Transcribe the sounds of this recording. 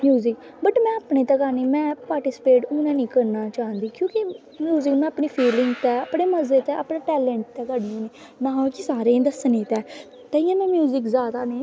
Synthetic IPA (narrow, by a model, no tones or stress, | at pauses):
mjuːzɪk | bəʈmɛ̃ːəpnẽːt̪ɛkaːnĩːmɛ̃ːpaːɾʈɪsɪ̥peːʈʊːnɛ̃ːnĩːkəɾnaːt͡ʃaːɦə̃nd̪iːkjõːki | mjuːzɪkmɛ̃ːəpɳiːpʰiːlɪŋɡt̪ɛəpɽeːməzeːt̪ɛːə̰pɳãːʈɛːlɛ̃ːɳʈ̚t̪ɛːkəɽnẽːneː | nãːakisaːɾẽːd̪əsneːt̪ɛː | t̪əːiːãːmɛ̃ːmjuːzɪkzaːd̪aːneː